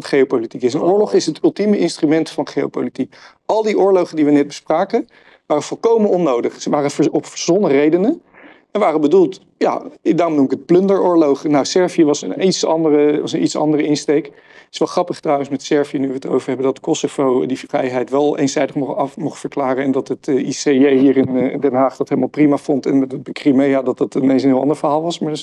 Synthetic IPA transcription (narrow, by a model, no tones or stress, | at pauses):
tχejopolitikɪs̬ənʊːɹlɔχɪsɦətɵlˠtiməʔɪnstrymɛntfɑnχejo̰wpowlitik | ɑlˠdiʔʊːɹlowχəndiʋənɛd̚bəspraːkə | ʋaːrəv̥ɔlˠkowmənɔnːowdəχsəʋaːrəɔpfəɹzɔnərejdənə | ɛnʋaːrəbədulˠt | ja̰daːrɔmnumɪkət̚plɵndəɹʊːɹlowχnawsɛɹviəʋɑsə̰nitsɑndərəʋɑsənʔitsɑ̰ndərəɪnstejk | tɪ̥sʋɛlˠχrɑpəχtrawənsmɛtsɛɹviənyʋəəto̰wvəɹɦɛbəndɑtkɔsov̥owdirɛ̰jɦɛjtʋɛlˠḛjnzɛjdəχmɔχɑmɔχtfəɹklaːrənɛndɑtətiseejɦiːɹɪndɛnɦaːχd̥ɑtɦejləmalˠprimafɔntɛnmɛtətbəkrimejaːdɑtdɑtɪnejnsənɦɪlˠɑ̰ndəɹvəɹɦaːlˠʋɑsmaːɹ